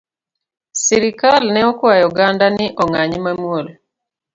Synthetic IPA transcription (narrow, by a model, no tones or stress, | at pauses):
siɾikalnɛɔkwajuɡandaniʔɔŋaɲimamuolɔ